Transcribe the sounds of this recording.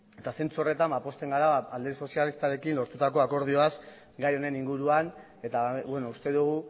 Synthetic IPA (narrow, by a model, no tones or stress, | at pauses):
e̞t̪ase̞nt͡suo̞re̞t̪ambapo̞st̪e̞ŋɡaɾaald̪eso̞sialist̪aɾe̞kinlo̞ɾt̪ut̪ako̞ako̞ɾð̞io̞as | ɡajo̞ne̞niŋɡuɾuan | e̞t̪aβweno̞ust̪e̞ðuɣ̞u